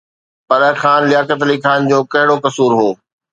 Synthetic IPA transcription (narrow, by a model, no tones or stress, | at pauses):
pɐɗəxaːnlɪjaːkət̪̬likʰaːnd͡ʑoːkɐɦɪɽokɐsuːɾɦoː